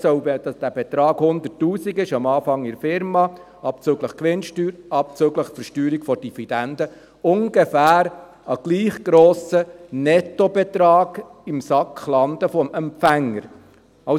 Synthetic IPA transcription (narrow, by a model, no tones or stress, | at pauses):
sœʊbd̥ɑsd̥æbɛt̪ɾɑːɡ̥hʊnd̪ətːuːsiɡɪʃɑmɑːfɑŋɪɾfɪɾmɑ | ɑp̚t͡søːɡləχkʋɪnʃtyːɾɑp̚t͡søːɡləχfəɾʃtyːɾikfɔd̥ivid̥̪ænd̪ə | ʊŋɡefæːɾ | ɑɡ̥liːχɡ̥ɾoːsənɛt̪ɔbɛt̪ɾɑːɡ̥ɪmsɑkχlɑnd̪əfɔmɛmpfæŋːəɾ | ɑ